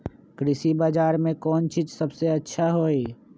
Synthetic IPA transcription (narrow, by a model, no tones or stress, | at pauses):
kɾɪsibaːd͡ʒaːɾmẽkɔːnt͡ʃiːd͡ʒsɐbseɐtːʃʰaɦoːiː